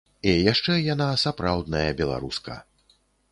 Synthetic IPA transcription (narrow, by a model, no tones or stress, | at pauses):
ɛjaʂt͡ʂɛjanasapɾawd̪̚nɐjɐbʲɛlˠa̰ɾuskɐ̰